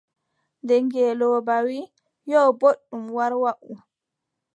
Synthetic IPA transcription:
ndɛŋɡɛlɔːbawi | jɔboɗːumwaɾwaʔu

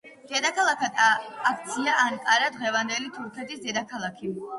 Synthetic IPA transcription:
d̪̥ɛd̪akʰalˠakad̪ːk̚t̪sʰiaʔːnkʼaɾad̪ʁɛvand̪ɛlit̪ʰuɾkʰɛt̪ʰisd̪ɛd̪akʰalˠakʰi

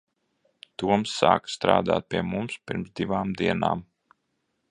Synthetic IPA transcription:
t̪uɔmsːa̰ːkst̪ɾa̰ːd̪a̰ːt̪̚piɛmumspiɾmzd̪iʋaːmd̪iɛna̰ːm

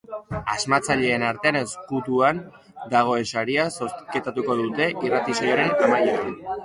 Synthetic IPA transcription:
azmat͡saʎe̞ːnaɾt̪e̞ane̞skut̪uan | d̪aɣ̞o̞e̞nsaɾiaso̞ske̞t̪at̪uko̞ðut̪e̞ʔirat̪isojoɾe̞namajean

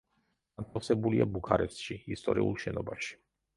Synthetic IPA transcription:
ɡ̥ant̪ʰafsɛbuliabukʰaɾɛpsʃiist̪ʼɔɾiulˠʃɛnɔbaʃi̥

